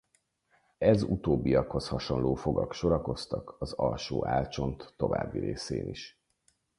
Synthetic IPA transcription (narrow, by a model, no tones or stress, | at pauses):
ɛzut̪oːbːiɒkho̞shɒʃo̞nloːfo̞ɡɒkʃoɾɒko̞st̪ɒkɒzɒlʃoːʔaːlt͡ʃo̞nt̪ːo̞va̰ːbːiɾeːseːniʃ